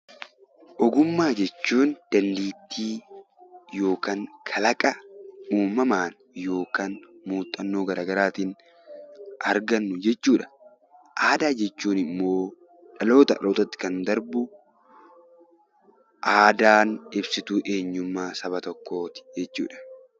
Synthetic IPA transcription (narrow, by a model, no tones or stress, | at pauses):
ʔɔɡʊmːaːd͡ʒɛt͡ʃːuːnd̪̥ɐlːiːt̪ʰːiː | jo̞ːkaːŋkʰɐlɐkʼɐuːmːɐmaːn | jo̞ːkaːnmuːt̪ʼːɐnːoːɡɐɾʔaːɡɐɾaːt̪iːn | ʔɐɾɡɐnːʊd͡ʒɛt͡ʃːuːᶑɐ̥ | ʔaːd̪aːd͡ʒɛt͡ʃːuːnɪmːo̞ː | ᶑɐlo̞ːt̪ɐᶑɐ̰loːt̪ɐt̪ːɪ̥kɐnd̪ɐɾbʊ | ʔaːd̪aːnɪbsɪt̪ʊʔeːɲːʊmːaːsɐβɐt̪ɔkːo̞ːt̪ɪ̥d͡ʒɛt͡ʃːṵːᶑɐ̥